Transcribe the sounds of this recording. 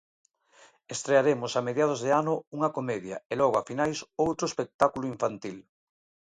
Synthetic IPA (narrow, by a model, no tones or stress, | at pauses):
est̪ɾeaɾemosameðjað̞ozðeanʊuŋɐkomeðja̰elɔɣoafinajsowt̪ɾoespek̚t̪akuloiɱfant̪il